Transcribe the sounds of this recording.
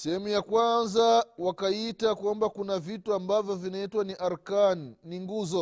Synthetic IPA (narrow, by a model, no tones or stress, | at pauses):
sɛhɛmujakwanzawakaitakwambakunavituambavjɔvinaitwaniʔaɾkanːiŋɡuzɔ